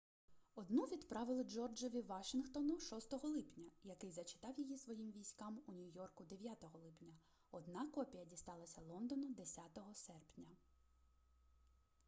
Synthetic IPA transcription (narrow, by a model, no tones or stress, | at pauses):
ɔd̪nuʋʲid̪pɾɑʋɪlˠɪd͡ʒɔrd͡ʒɔʋʲiʋɑʃɪnxt̪ɔnʊʃɔst̪ɔɦɔlˠɪpnʲɐjɐkɪjzɐt͡ʃɪ̥t̪ɑwjijisʋɔjimʋʲijsʲkɑmunʲʊjɔrkʊd̪eʋʲjat̪ɔɦɔlˠɪpnʲɐ | ɔd̪nɑkɔpʲijɐdʲist̪ɑlˠɐsʲɐlˠɔnd̪ɔnʊd̪esʲat̪ɔɦɔsɛrpnʲɐ